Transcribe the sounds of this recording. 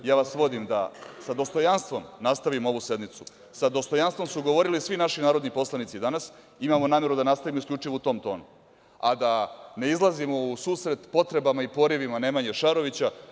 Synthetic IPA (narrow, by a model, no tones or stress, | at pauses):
jaːʋasʋo̞d̪imd̪a̰sad̪o̞st̪o̞janst̪vʋo̞mnast̪aʋimo̞ʋuse̞d̪nit̪su | sad̪o̞st̪o̞janst̪vomsuɡo̞ʋo̞ɾilisʋinaʃinaːɾo̞d̪nipo̞slˠanit̪sid̪anas | imamonaːmje̞ɾud̪anast̪aʋimoiskʎʲut͡ʂiʋout̪o̞ːmt̪o̞̰ːnu | ad̪ane̞izlˠazimo̞usuːsɾe̞t̪po̞t̪ɾe̞bamaipo̞ɾiʋimane̞maɲeʃaɾo̞ʋit͡ɕa